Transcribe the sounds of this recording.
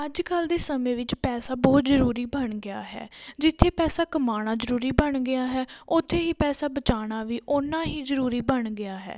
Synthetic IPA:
əd͡ʒkəld̪eːsəmẽːʋɪt͡ʃpɛːsaːbɔːt̪zəɾuːɾiːbəɳɡɪa̰ːɦɛ̰ːd͡ʒɪt̪ʰːeːpɛːsaːkəmaːɽ̃aːzəɾuːɾiːbəɳɡɪjaːɦɛːʊt̪ʰːeːɦiːpɛːsaːbət͡ʃaːɽ̃aːʋiːʔʊnãːɦiːzəɾuːɾiːbəɳɡɪaːɦɛ̰ː

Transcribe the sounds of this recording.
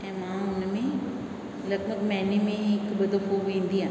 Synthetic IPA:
ɛ̃mãʊnmẽ | lɐɡbəɡmɛːnemẽkbɐd̪oɦoʋẽːnd̪iãː

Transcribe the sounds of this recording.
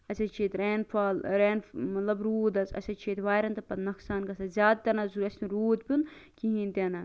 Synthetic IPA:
ɐsɐt͡ʃʰiːt̪ʲɾeːnfaːlɾeːnmɐt̪lɐbɾuːd̪ɐt͡sɐ̰sʲɐt͡ʃʰiːt̪ʋaːɾɐnt̪ɐpɐt̪nɐksaːnkɐsɐzʲaːd̪̚t̪ɐnɐzuɾɐsʲniɾuːd̪pʲɨnkiɦĩːnʲt̪ʲenɐ

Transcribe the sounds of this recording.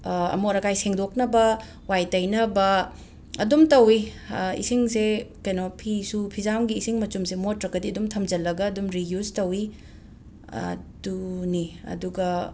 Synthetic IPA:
ɐ̰moɾɐkajseŋdoknɐbɐ | wajtɐjnɐbɐ | ɐdumtɐwi | ḭsiŋsekɐjnopʰisupʰizamɡiːsiŋmɐt͡ʃumsemotɾɐkɐdiɐdumtʰɐmd͡ʒɐlːɐɡɐːdumɾijuztɐwi | ɐ̰duniɐ̰duɡɐ

